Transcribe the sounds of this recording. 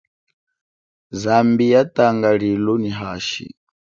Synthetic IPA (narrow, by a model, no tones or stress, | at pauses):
zambijataŋɡaɺilɔniɦaːʃḭ